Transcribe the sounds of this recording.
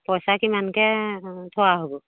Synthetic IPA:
pɔjsakimankɛtʰoaɦobɔ

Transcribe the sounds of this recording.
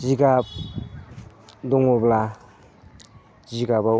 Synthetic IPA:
ziɡap̚ | dɔŋɔbla | ziɡaba

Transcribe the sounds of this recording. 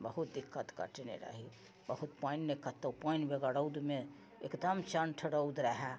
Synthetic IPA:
bəɦut̪̚d̪ikːət̪kə̰ʈnḛɾa̰ɦi | bəɦut̪pannekːət̪ːəwpajnbeɡaɽəwd̪me | ekd̪əmt͡ʃənʈʰəɽəwd̪ɾəɦɛ

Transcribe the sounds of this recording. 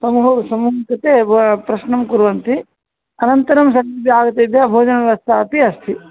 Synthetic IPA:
sɐmuɦɐsɐmuːɦɐkɐt̪eːpɾɐʃnɐmkuɾʋɐnt̪i | ɐnɐnt̪ɐɾɐmsɐŋibʱjaːɡɐt̪eb̪jɐbʱoːd͡ʒɐnɐʋɐst̪ʰaːpiɐst̪ʰi

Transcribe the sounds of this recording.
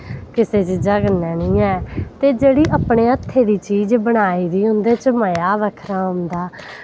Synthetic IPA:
kɪseːt͡ʃɪd͡ʒaːɡənɛːnĩːɛːt̪eːd͡ʒeːɽiːʔəpɳeːət̪ʰːeːd̪iːt͡ʃiːd͡ʒbəɽ̃aːiːd̪iːɦʊ̃nd̪eːt͡ʃəməjaːʋəkʰɾaːɦʊnd̪aː

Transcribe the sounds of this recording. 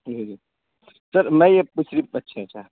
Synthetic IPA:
d͡ʒid͡ʒi | səɾmɛjeput͡ʃʰɾipətːʃʰet͡ʃʰa

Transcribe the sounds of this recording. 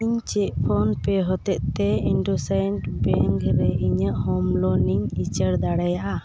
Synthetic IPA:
iɲt͡ʃɛʔ̚pʰɔnpɛɦɔt̪ɛʔ̪̚t̪ɛiɳɖɔsanʈbɛŋkɾɛiɲəʔhɔmlɔniɲit͡ʃəɾd̪aɽajaʔa

